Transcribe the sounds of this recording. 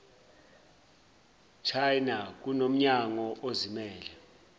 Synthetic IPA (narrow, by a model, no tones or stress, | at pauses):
t͡ʃʰajnak̬unom̩ɲaŋɔʔozimɛːlɛ